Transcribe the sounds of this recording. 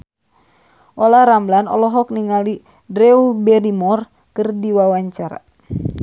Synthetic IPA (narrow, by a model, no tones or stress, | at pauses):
ʔɔlaɾamblanɔ̰lɔɦɔkniŋali | dɾɛubɛɾimɔr | kɨrdiwawaɲt͡ʃaɾa̰